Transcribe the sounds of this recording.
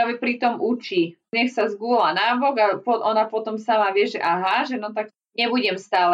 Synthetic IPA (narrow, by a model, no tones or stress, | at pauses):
aːʋɛpɾit̪ɔmut͡ʃiː | ɲɛxsazɡulanaːbɔɡapɔʔɔnapɔt̪ɔmsamaʋɪɛʒɛʔaɦaʒɛnɔt̪ak | ɲɛbuɟɛmst̪aːlɛ